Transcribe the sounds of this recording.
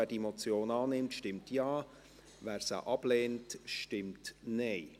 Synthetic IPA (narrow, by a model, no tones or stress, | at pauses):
æːd̥iemot͡sjoːnɑːnɪmtʃtɪmtjɑː | væːɾsə̰ʔɑb̥leːntʃtɪmtneɪ